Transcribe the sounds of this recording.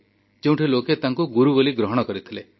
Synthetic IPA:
keũʈʰiloket̪aŋkuɡuɾuboliɡɾɔɦɔɽ̃ɔkɔɾit̪ʰile

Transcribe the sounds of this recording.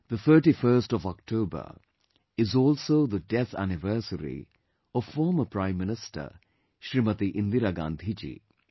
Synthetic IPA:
d̪̥ət̪ʰəːʈifəɾsʈɔʋɔk̚ʈʰoːbə̰ | ɪzɔːlsoːd̪əɖɛt̪æ̰nɪʋəːsəɾḭ | ɔʋfɔːməpɾãɪ̃mːɪnɪsʈə̰ | ʃɾimət̪iʔɪ̃nd̪iɾaɡã̰ːnd̪ʱid͡ʒḭː

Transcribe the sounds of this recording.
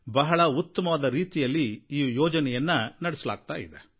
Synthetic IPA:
bɐɦɐɭɐut̪ːɐmɐʋaːd̪ɐɾiːt̪ijɐlːiiːjɔːd͡ʒɐnɛjɐnːɐnɐɽɛsɐla̰ːɡ̚t̪a̰ːjḭd̪e

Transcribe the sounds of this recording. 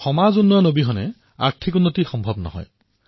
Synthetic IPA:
xɔmazunːɔjɔnobiɦɔne | a̰k̚t̪ʰikunːot̪ixɔmbʱɔbnɔ̰ɦɔ̰j

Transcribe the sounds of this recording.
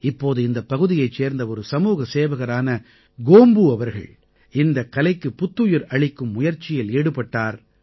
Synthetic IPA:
ɪpːoːðɯɪnd̪ɐpːɐɣɯðɪjɐɪt͡ʃːeːɾnd̪ɐɔɾɯsɐmuːɣɐseːʋɐɣɐɾaːnɐ | ɡoːmbɯɐʋɐɾɣɐ̰ɭ | ɪnd̪ɐkːɐlɐɪkːɯpːʊt̪ːɯjɪɾɐɭɪkːɯmːʊjɐɾt͡ʃɪjɪleːɽɯpːɐʈːaːɾ

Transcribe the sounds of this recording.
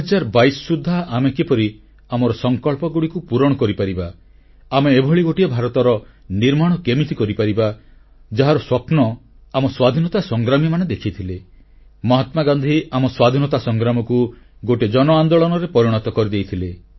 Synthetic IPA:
d͡ʒaɾbajsɔsud̪ʱːaʔamekepɔɾi | amɔɾɔsɔŋkɔɭpɔɡuɽikupuɾɔɽ̃ɔkɔɾipaɾiba | ameːbʱɔɭiɡoʈiɔbʱaɾɔt̪ɔɾɔniɾmaɽ̃ɔkemit̪ikɔɾipaɾiba | d͡ʒaɦaɾɔswɔpnɔ | amɔswad̪ʱinɔt̪asɔŋɡɾamimaned̪ekʰit̪ʰile | mɔɦat̪maɡand̪ʱiamɔswad̪ʱinɔt̪asɔŋɡɾamɔku | ɡoʈed͡ʒɔnɔand̪oɭɔnɔɾepɔɾiɽ̃ɔt̪ɔkɔɾid̪ejt̪ʰile

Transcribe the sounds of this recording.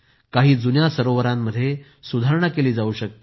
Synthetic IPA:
kaɦiːd͡zunjasəɾoʋəɾãmːəd̪ʱːje | sud̪ʱaɾəɳəkeliːd͡zauɕək̚t̪

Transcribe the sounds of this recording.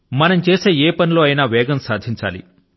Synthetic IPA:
mɐnɐmt͡ʃe̞ːse̞ːeːpɐnilo̞ːɐjinaːʋɛːɡɐmsaːd̪ʱiɲt͡ʃa̰ːlḭ

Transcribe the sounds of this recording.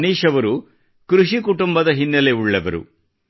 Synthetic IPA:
niːʂɐʋɐɾu | kɾuʂikuʈumbɐd̪ɐɦinːɐle̞uɭːɐʋɐɾṵ

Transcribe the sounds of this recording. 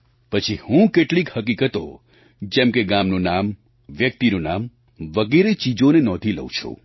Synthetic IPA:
pət͡ʃʰihũkeʈlikhəkikət̪o̰ | d͡ʒɛ̃mkeɡamnũnam | ʋjək̚t̪inũna̰m | ʋəɡeɾet͡ʃid͡ʒonenɔd̪ʱilə̰ut͡ʃʰṵ̃

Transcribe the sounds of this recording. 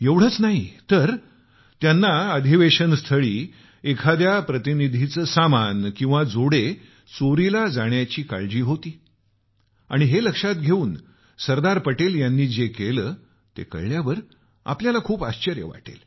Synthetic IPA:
jeʋɽ̤ət͡snaɦit̪əɾ | t̪janːaəd̪ʱiʋeɕənst̪ʰəɭiː | ekʰad̪japɾət̪inid̪ʱit͡səːsamankĩw̃ʋad͡zoɽe | t͡soɾilad͡zaɳjat͡ɕiːka̰ɭd͡ʑiːɦot̪iː | a̰ɽ̃iɦeləkʂat̪ɡʱeuːn | səɾd̪aɾpəʈeljanːiːd͡zekeləː | t̪ḛkə̰ɭljaʋəɾ | a̰pljalakʰuːpaɕt͡ɕəɾjə̰ʋa̰ʈḛl

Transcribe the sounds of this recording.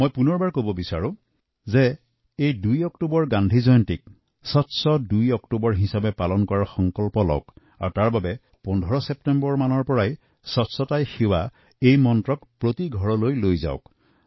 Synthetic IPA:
mojpunɔɹbaɹkobɔbisaɹʊ̃ | zɛ | ejdujɔktubɔɹɡandʱizɔjɔntik̚ | sɔtsɔdujɔktubɔɹɦisabɛpalɔnkɔɹaɹxɔŋkɔlpɔlɔ̰wk | a̰ɹtaɹbabɛ | pɔndʱɔɹɔsɛptɛmbɔɹmanɔɹpɔɹaj | sɔtsɔtajxiwa | ejmɔntɹɔkpɹotiɡʱɔɹɔlojlojza̰ʊk

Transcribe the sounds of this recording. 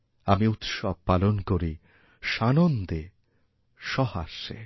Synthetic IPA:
amiut̪ʃɔb̚palonkoɾi | ʃanond̪e | ʃɔhaʃḛ

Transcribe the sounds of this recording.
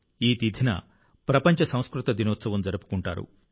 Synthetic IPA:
iːt̪id̪ʱinɐ̰ | pɾɐpɐɲt͡ʃɐsɐ̃w̃skɾut̪ɐd̪inoːt̪sɐʋɐmd͡ʒɐɾɐpu̥kuɳʈa̰ːɾṵ

